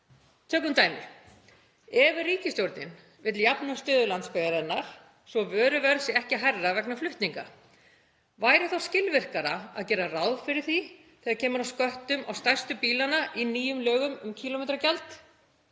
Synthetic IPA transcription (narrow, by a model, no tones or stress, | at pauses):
t̪ʰœːkʏmt̪aːjmɪ̰ | ɛvɪriːcɪst̪jowɾt̪nɪ̰n | vɪt̪ljapnʏmst̪œːðʏlant̪spɛɣaɾɪnːaɾ̥ | sɔvœːɾʏvɛɾsɪɛhcɪɦajrːavɛknaflʏht̪niŋka̰ | vaːjɾɪθawscɪlvɪr̥kaɾa̰a̰ðcɛːɾarawðfɪɾɪɾ̥θi | θiɣaðcʰɛːmʏɾawskœht̪ʏma̰wst̪ajrst̪ʏpiːlanaʔiniːjʏmlœːɣʏmʏmcʰiːlɔmɛːt̪ɾacalt̪